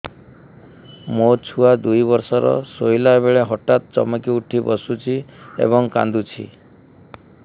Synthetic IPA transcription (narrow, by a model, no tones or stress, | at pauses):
mot͡ʃʰuad̪ujbɔɾsɔɾɔ̰sojlaeβeɭeɦɔʈat̪̚t͡ʃɔ̰mɔkiuʈʰibɔsut͡ʃʰiḛbɔŋka̰nd̪ut͡ʃʰḭ